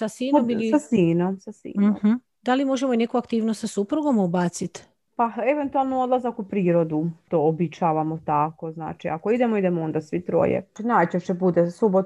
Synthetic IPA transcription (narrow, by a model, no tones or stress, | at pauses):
sasiːnomiliasiːnomsasḭːn̩h̩ | d̪alimo̞ʒemoine̞kuakt̪iːʋnost̪sasupɾuɡo̞mubaːt̪sit̪ | paeʋent̪ualˠnood̪lˠazakupɾiːɾo̞d̪ut̪oobit͡ʃaːʋamot̪akozna̰ːt͡ʃiakoid̪emoid̪emoond̪asʋit̪ɾo̰jḛinaːjt͡ɕeʃebud̪esubot̪